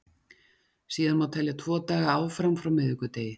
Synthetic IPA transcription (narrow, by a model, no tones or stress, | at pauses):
siːðanmawt̪ʰɛljat̪ʰvɔːt̪aːɣaaːwfɾamfɾawmɪðɪkʏt̪eːjɪ